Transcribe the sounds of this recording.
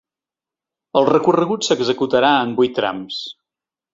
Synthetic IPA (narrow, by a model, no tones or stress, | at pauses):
əlˠrəkurəɣutsəɡzəkut̪əɾaəmbujt̪ːɾa̰ms